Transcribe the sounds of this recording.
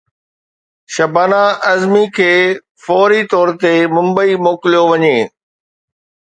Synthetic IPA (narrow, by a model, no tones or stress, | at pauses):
ʃɐbaːnaʔɐzmikʰeː | fɔːɾit̪ɔːɾt̪emʊ̃mbəimoːkɪlijoʋɐɲeː